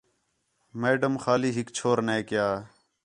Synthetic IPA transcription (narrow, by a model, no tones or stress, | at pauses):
meːɖəmxaːliːɦɪkt͡ʃʰoːɾnẽːkɪjaː